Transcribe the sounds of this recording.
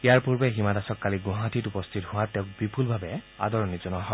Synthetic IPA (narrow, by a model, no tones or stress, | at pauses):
ijaɹpuɹbɛɦimadasɔkːaliɡʊ̃ɦãtʰitupɔst̪ʰithʊ̃atɛʊ̃k̚bipʰulbʱabɛ | a̰dɔɹɔnizɔnɔɦɔ